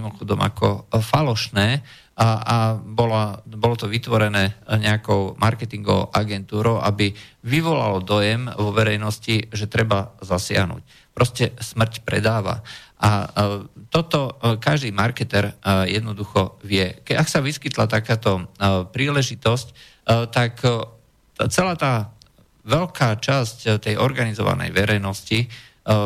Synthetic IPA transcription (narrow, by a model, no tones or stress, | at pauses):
mɔxɔd̪ɔma̰kɔfalɔʃnɛː | abɔlabɔlɔt̪ɔʋit̪ʋɔɾɛnɛːɲɛakɔʊmaɾkɛt̪iŋɡɔʊʔaɡɛnt̪uːɾɔʊʔabiʋiʋɔla̰lɔd̪ɔjɛmʋɔʋɛɾɛjnɔsciʒɛt̪ɾɛbazasɪa̰ɦnṵːc | pɾɔscɛsmr̩cpɾɛ̰d̪aːʋa̰ʔa | t̪ɔt̪ɔkaʒd̪iːmaɾkɛt̪ɛɾjɛd̪nɔd̪uxɔʋɪɛkɛaksaʋiskit̪la̰t̪akaːt̪ɔpɾiːlɛʒit̪ɔsc | t̪ak | t͡sɛlaːt̪aː | ʋɛlkaːt͡ʃasct̪ɛjʔɔɾɡanizɔʋa̰nɛ̰jʋɛɾɛjnɔsci